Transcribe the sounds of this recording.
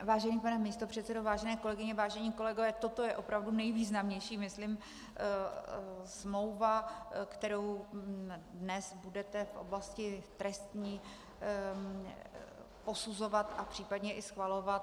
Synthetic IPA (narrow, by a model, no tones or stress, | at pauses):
vaːʒɛniːpanɛmist̪opr̝̥ɛt̪sɛdovaːʒɛnɛːko̞lɛɡɪɲɛvaːʒɛɲiːko̞lɛɡovɛːt̪o̞t̪o̞jɛʔo̞pɾavdunɛjviːznamɲɛjʃiːmɪslɪm | smlo̞wvakt̪ɛɾow | dnɛsbudɛt̪ɛfʔo̰blascɪt̪ɾɛst̪ɲiː | po̞suzo̞vat̪ʔapr̝̥iːpadɲɛʔɪsxvalo̞vat̪